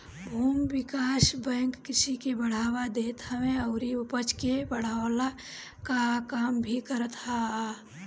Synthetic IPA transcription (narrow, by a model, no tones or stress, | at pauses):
bʱuːmʋɪkaːsbɛ̃ːŋkːɪsikebəɽ̤aːwad̪eːt̪aʋẽɐʊɾiʊpət͡ʃkebəɽ̤aːala | kakaːmbʱikəɾət̪ɦa